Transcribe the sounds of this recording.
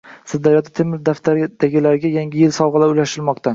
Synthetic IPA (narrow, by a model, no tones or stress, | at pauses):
sɪzd̪aɾjɒt̪ʰat̪ʰemɪɾd̪aft̪ʰaɾd̪̥aɡʲɪlaɾɪɡʲajaŋɡʲɪjɪlsɒwʁɨlaɾʊjlaʃɪlmɒqt̪ʰa